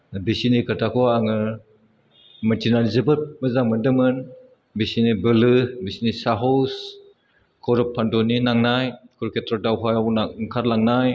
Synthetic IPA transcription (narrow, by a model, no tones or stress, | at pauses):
bisinikɯtʰakʰɔaŋɯ | mɐtʰinalzebɯt̚mɯzaŋmɯndɯmɯn | bisinibɯlɯbisinisaɦɔws | kʰɔɾɯpʰːandɔninaŋnajkʰɔɾkʰetɾɔdawɦajawnaŋkʰaɾlaŋnaj